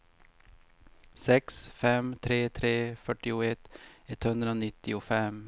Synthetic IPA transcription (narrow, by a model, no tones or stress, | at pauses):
sɛksfɛmt̪ʰɾeːt̪ʰɾeːfœʈɪʊɛt̪ːɛt̪hɵnd̪ɾəoːnɪt̪ːɪʊfɛm